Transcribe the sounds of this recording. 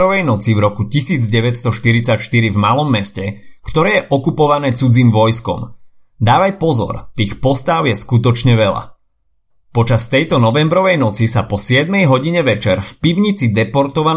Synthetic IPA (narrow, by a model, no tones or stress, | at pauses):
ɾɔʋɛjnɔt͡sivɾɔkucisiːd͡zɟɛʋɛtst̪ɔʃt̪iɾit͡sacʃt̪iɾivmalɔmːɛscɛkt̪ɔɾɛːjɛʔɔkupɔʋanɛːt͡sud͡ziːmʋɔjskɔ̰m | d̪aːʋajpɔzɔ̰ɾt̪iːxpɔst̪aʊjɛskut̪ɔt͡ʃɲɛʋɛla̰ | pɔt͡ʃast̪ɛjt̪ɔnɔʋɛmbɾɔʋɛjnɔt͡sisapɔsɪɛd̪mɛjɦɔɟiɲɛʋɛt͡ʃɛɾfpiʊɲit͡sid̪ɛpɔɾt̪ɔʋan